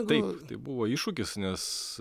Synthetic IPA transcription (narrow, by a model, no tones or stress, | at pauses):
ɡ̪ɐɪpt̪ɐɪbuʋoːiːʃʊkʲɪsnʲɛs